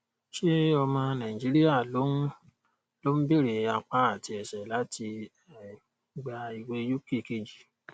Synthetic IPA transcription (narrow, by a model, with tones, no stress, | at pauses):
ʃe˦ɔ˧mã˧nã˨ĩ˨d͡ʒi˨˦ɾi˦ja˦˨lo˨˦n˦ | lo˦m̩˦be˦˨ɾe˨a˧k͡pa˨˦a˦˨ti˧ɛ˨sɛ˨la˨˦tʰi˧ | ɛ˨ | ɡ͡ba˧i˧we˧˦ju˦ke˦˨ke˧˨d͡ʒi˨